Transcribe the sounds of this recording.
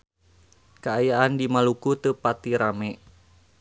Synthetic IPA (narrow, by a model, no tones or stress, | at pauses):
kaajaʔandimalukut̪əpat̪iɾamɛ